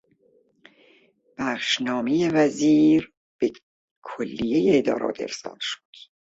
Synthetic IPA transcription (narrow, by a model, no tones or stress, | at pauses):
b̥æχʃnɒːmejevæziːɾ | b̥e | kʰolːijejeːd̪ɒ̰ːɾʔɒ̰ːt̪ʰḛɾsɒ̰ːd̪̥ʃo̥d̪̥